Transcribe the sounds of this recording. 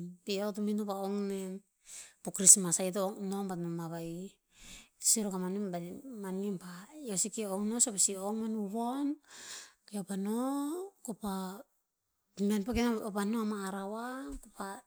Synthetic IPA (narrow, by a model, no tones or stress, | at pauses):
piot̬uminupaoŋnem | pokɾismasajtonoŋbatnomaβai | siɾokamanimbamanimpajosikeoŋno̞sepesioŋmenuβon | keopanokopa | menpekenopanoamaːɾawakopa